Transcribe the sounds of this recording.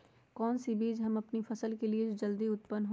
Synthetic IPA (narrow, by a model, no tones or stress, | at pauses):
kɔːnsibiːd͡ʒɦɐmɐpnifɐsəlkelied͡ʒod͡ʒɐld̪iʊt̪pənɦo